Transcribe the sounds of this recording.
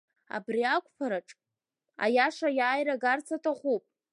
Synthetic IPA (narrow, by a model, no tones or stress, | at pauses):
a̰briakʷʰʼpʰaɾaʈ͡ʂʼ | a̰jaʂajaːjɾaɡart͡sʰatʰaχʷupʼ